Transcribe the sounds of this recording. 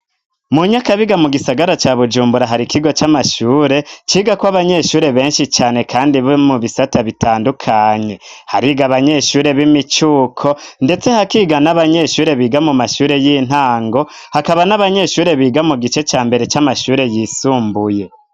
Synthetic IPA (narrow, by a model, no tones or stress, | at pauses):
muɲakaβiɡamuɡisaɡaɾat͡ʃaːβud͡ʒuːmbuɾaɦaɾikiɡo̞t͡ʃamaʃuːɾe̞t͡ʃiːɡakwaβaɲe̞ʃuːɾe̞βe̞ːnʃit͡ʃaːne̞kʰaːndiβomuβisataβitʰaːndukʰaːɲe̞haɾiɡaβaɲe̞ʃuːɾe̞βimit͡ʃuːkʰo̞nde̞t͡se̞hakiːɡanaβaɲe̞ʃuːɾe̞βiːɡamumaʃuːɾe̞jiːn̥haːŋɡo̞ | hakaβanaβaɲe̞ʃuːɾe̞βiːɡamuɡit͡ʃe̞t͡ʃaːmbe̞ɾe̞t͡ʃamaʃuːɾe̞jiːsuːmbuje̞